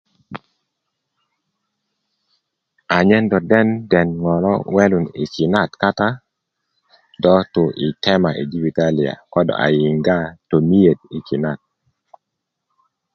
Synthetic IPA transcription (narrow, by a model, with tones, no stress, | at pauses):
a˨ɲɛ˦ndɔ˨dɛ˦ndɛ˨nŋɔ˨lɔ̰˦wɛ˦lu˨nḭ˨ki˨na˦tka˦ta˦ | dɔ˦to˨ʔɪ˨tʰɛ˦ma˨ʔe˨d͡ʒi˦vi˨ta˦li˨a̰˨kɔ˦dɔ̰˨ʔa̰˨ji˨ŋɡa˦to˨mi˦je˨d̚i˨ki˨na˨t̚